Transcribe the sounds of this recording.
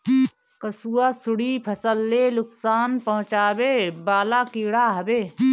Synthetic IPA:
kəsuːasʊɽipʰɐsəlːeːlʊksaːnpɐɦʊ̃t͡ʃaːbeːbaːlakiːɽaːɦɐbeː

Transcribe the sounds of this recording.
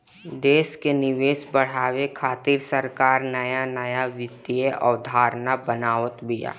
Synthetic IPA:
d̪eːʃkenɪʋeːʃbəɽ̤aːʋekʰaːt̪iːɾsəɾkaːɾnɐjanəjaʋɪt̪ːijeʔə̰ʋd̪ʱaːɾnabənaːʋət̪bija̰ː

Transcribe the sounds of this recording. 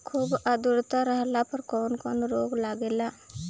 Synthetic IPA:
kʰuːbʔɐd̪uɾut̪aɾɐɦɐlapɐɾkoːnkonuɾoːɡlaːɡila

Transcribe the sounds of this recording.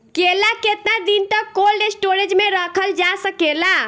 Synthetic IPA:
kelaket̪nad̪int̪əkolɖesʈoɾed͡ʒmeɾəkʰəld͡ʒasəkela

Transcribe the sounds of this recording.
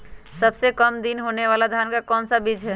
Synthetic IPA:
səbsekəmd̪inɦoneʋaːlad̪ʱankakɔːnsabid͡ʒɦɛ

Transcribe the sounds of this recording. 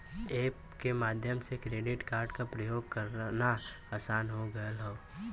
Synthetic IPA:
eːp | kemaːd̪ʱjəmsekɾeːɖɪʈkaːɾɖkapɾɐjoːɡkɐɾna | aːsaːnɦoɡɐəlɦoː

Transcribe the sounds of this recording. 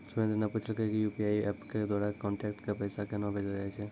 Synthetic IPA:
sʊned̪enaput͡ʃʰilkekijupiaiɛpked̪waːɽakɔ̃ɳʈɛkʈkepəjsakenɔ̃bʱed͡ʒad͡ʒaɛt͡ʃʰe

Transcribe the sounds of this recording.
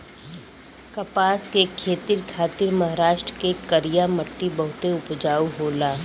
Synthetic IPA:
kɐpaːskekʰeːt̪iɾkʰaːt̪iɾmɐɦaɾaːʃʈɾəkekəɾijamɐʈːibɐɦʊt̪eʊpd͡ʒaːuɦoːlaː

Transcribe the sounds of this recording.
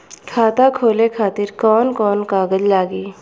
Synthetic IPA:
kʰaːt̪akʰoːlekʰaːt̪ɪɾkɔːnkɔːnkaːɡəd͡ʒlaːɡiː

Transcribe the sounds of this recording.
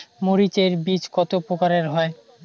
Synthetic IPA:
moɾit͡ɕeɾbit͡ɕkɔt̪opokaɾeɾɦɔe

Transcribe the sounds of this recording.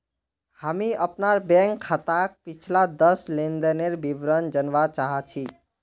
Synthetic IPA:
həmiəpnaɾbɛ̃ŋkʰːat̪ak̚pit͡ʃʰlad̪əslend̪əneɾbibɾənd͡ʒənʋat͡ʃaɦat͡ʃʰi

